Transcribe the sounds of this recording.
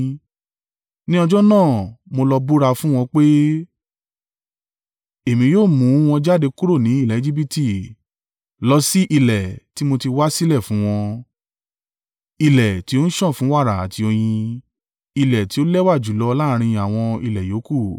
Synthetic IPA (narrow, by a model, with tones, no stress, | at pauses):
nĩ˦ɔ˧d͡ʒɔ˦nãː˦˨mo˧lɔ˧bu˦ɾa˧fũ˦w̃ɔ̃˧k͡pe˦ | e˨mĩ˧joː˦˨mũ˨˦w̃ɔ̃˧d͡ʒa˦de˧ku˦ɾo˦˨nĩ˨˦i˦˨lɛ˨˦d͡ʒi˦bi˦ti˦˨ | lɔ˧˦si˦ʔi˧lɛ˨ti˦mo˧ti˧wa˦si˦lɛ˦˨fũ˨˦w̃ɔ̃˧ | i˧lɛ˨ti˨˦o˦n̩˦ʃɔ̃˦˨fũ˨˦wa˦˨ɾa˨a˨ti˧o˧j̃ĩ˧ | i˧lɛ˨ti˨˦o˦lɛ˦wa˦˨d͡ʒu˨˦lɔ˧˦˧la˦˧ɾ̃ĩ˧˨a˨w̃ɔ̃˧i˧lɛ˨jo˨˦ku˦˨